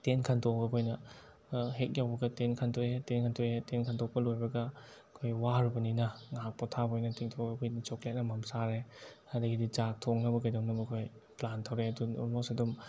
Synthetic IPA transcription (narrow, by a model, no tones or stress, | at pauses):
tenkʰɐntʰokɐkʰojnɐ | ɦek̚jawbɐɡɐtenkʰɐntʰoetenkʰantʰojetenkʰantʰok̚pɐlojbɐɡɐ | kʰojwaɾubɐninɐŋak̚pɔtʰabʰojnɐtʰiŋtʰowkʰojnit͡ʃok̚lajk̚nɐmɐmsaɾehadɐɡidid͡ʒak̚tʰoŋnɐbɐkɐjdomnɐbɐkʰoj | plantʰawɾeɐdunɔ̰mosɐdum